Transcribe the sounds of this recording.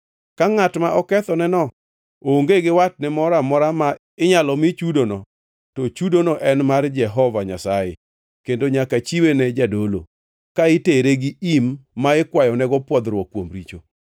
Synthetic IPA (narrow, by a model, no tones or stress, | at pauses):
kaŋatmaʔɔkɛt̪ɔnɛnɔ | oŋɡeɡɪwat̚nɛmɔɾamɔɾama | ɪɲalɔmɪt͡ʃudonɔ | tɔt͡ʃudonɔʔɛnmard͡ʒɛɦɔvaɲasajḛ | kendoɲakat͡ʃiwenɛd͡ʒadolo̰ | kaɪteɾeɡɪimːaɪkwajɔnɛɡɔpwɔd̪ɾwɔkːwomɾit͡ʃo